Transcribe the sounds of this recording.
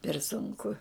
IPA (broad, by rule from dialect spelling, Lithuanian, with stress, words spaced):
pʲɛr sʊŋˈkʊ